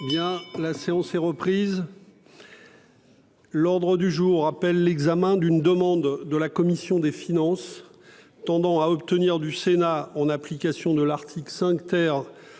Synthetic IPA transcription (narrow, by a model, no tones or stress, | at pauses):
bjɛ̃laseɑ̃sɛʁəpχiz | lɔʁd̪ʁəd̪yʒuʁːapɛlːɛɡzamɛ̃d̪ynd̪əmɑ̃d̪ːəlakɔmisjɔ̃d̪efinɑ̃s | t̪ɑ̃d̪ɑ̃aɔpt̪əniʁd̪ysenaɑ̃naplikʲasjɔ̃d̪əlaʁt̪ʰiklsɛ̃kt̪ɛʁ